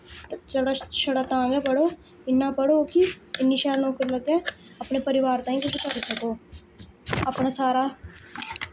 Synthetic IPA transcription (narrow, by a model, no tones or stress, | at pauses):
t͡ʃəɽaʃɐɽaːt̪ãːɡapəɽoː | ɪnːaːpəɽokiɪnːiːʃaːɾnɔːkəɾləɡẽːəpnepəɾɪʋaːɾt̪ãːĩːkekt͡ʃəɾsəkoː | əpnaːsaːɾaː